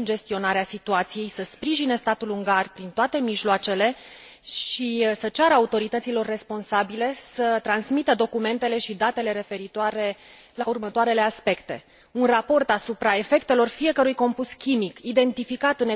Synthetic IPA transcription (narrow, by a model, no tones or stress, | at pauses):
ɨnd͡ʒe̞st̪io̞naɾeasit̪uat̪sije̞jsəspɾiʒine̞st̪at̪uluŋɡarpɾint̪oat̪e̞miʒloat͡ʃe̞le̞ | ʃisət͡ʃaɾəaut̪o̞ɾit̪ət̪silo̞rːe̞spo̞nsabile̞sət̪ɾansmit̪əd̪o̞kume̞nt̪e̞le̞ʃid̪at̪e̞le̞ɾe̞fe̞ɾit̪oaɾe̞ | laurmət̪oaɾe̞le̞aspe̞kt̪e̞̰ | unrapo̞rt̪asupɾae̞fe̞kt̪e̞lo̞rfie̞kəɾujko̞mpuskʲimikid̪e̞nt̪ifikat̪ɨne